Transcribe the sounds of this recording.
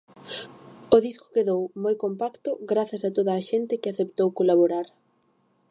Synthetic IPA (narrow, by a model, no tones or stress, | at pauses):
oðisko̥keðowmojkompakt̪ʊɡɾaθasat̪oðaːʃent̪ɪkɪaθept̪owkolaβoɾaɾ